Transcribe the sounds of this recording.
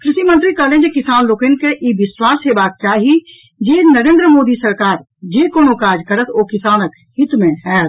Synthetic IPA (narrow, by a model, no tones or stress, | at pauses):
kɾɪʃimə̃nt̪ɾikəːlẽːd͡ʒekɪsaːnloːkenkeʔiʋɪswaːsɦebaːk̚kjaːɦi | d͡ʒeːnəɾẽːnd̪ɾəmoːd̪isɐɾkaːɾ | d͡ʒeːkoːnokaːd͡ʒkəɾət̪ʰoːkɪsaːnək | hɪt̪mẽɦɛt̪